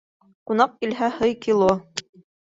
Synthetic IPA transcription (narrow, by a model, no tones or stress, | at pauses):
qunɑq̚kilɦæhɤjkilˠo